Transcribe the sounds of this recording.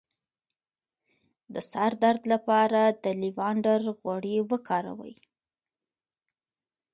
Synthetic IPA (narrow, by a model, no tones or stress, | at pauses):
d̪əsaɾd̪aɾd̪lapɑɾad̪əliwɑɳɖaɾɣwaɽewəkʰɑɾa̰wə̰j